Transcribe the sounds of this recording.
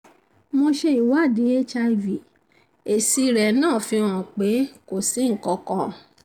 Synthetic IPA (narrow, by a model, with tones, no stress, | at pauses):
mõ˧ʃe˧i˨wa˦˨di˨˦e˦t͡ʃa˧i˧vi˨ | e˨si˧ɾɛ˨nãː˦˨fĩ˧ã˨k͡pe˨˦ko˨si˨˦˨kɔ˧kɔ̃˧˨